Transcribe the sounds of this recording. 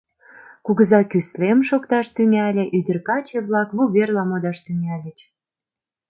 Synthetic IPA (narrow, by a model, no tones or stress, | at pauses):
kuɣəzɑkyslemʃokt̪ɑʃt̪yŋælʲĕʔyd̪ə̆rkɑt͡ɕeβlɑkβuβerlɑmod̪ɑʃt̪yŋælʲə̆t͡ɕ